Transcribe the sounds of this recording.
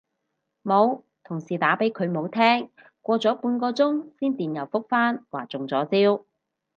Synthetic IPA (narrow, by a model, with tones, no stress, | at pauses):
mo˨˧w | t̪ʰʊ˨˩ŋsiː˨˩t̪aː˨˥pe˨˥jkʰɵ˨˧ɥmo˨˧wt̪ʰɛː˥ŋ | kʷɔː˧t͡sɔː˨˥puː˨˧nkɔː˧t͡sʊ˥ŋsiː˥nt̪iː˨njɐ˨˩wfʊ˥k̚faː˥nwaː˨˩t͡sʊ˨˩ŋt͡sɔː˨˥t͡siː˥w